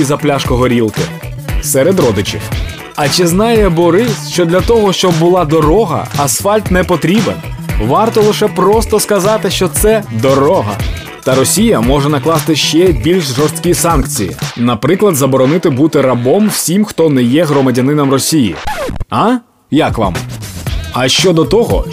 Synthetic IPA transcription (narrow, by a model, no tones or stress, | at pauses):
izɐplʲaʃkɔɦɔɾʲilˠkɪ | sɛɾed̪rɔd̪ɪt͡ʃɪ̰w | ɐt͡ʃɪznɑjɛbɔɾɪsʃt͡ʃɔd̪lʲɐt̪ɔɦɔʃt͡ʃɔbːʊlˠɑd̪ɔɾɔɦɐ̰ɐsfɑlʲt̪nɛpɔt̪ɾʲibɛnʋɑrt̪ɔlˠɪʃɛpɾɔst̪ɔskɐzɑt̪ɪʃt͡ʃɔt̪sɛd̪ɔɾɔɦɐ̰ | t̪ɐɾɔsʲijɐmɔʒɛnɐklˠɑst̪ɪʃt͡ʃɛbʲilʲʃʒɔrst̪ʲkʲisɑnkt͡sʲijḭnɐpɾɪklˠɐd̪zɐbɔɾɔnɪt̪ɪbut̪ɪɾɐbɔmwsʲimxt̪ɔnɛjɛɦɾɔmɐdʲɐnɪnɐmrɔsʲijḭɑ | jakʋɑ̰m | ɐʃt͡ʃɔd̪ɔt̪ɔɦɔ̰